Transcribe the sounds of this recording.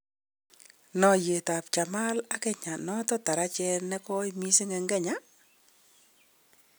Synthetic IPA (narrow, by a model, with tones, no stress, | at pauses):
nɔ˨je˨ta˨pt͡ʃa˨ma˦la˦kɛ˦˨ɲa˨nɔ˦tɔ˦ta˨ɾa˦t͡ʃɛ˦nɛ˦kɔ˦imi˦sɪ˦ŋɛ˨ŋɡɛ˦ɲa˦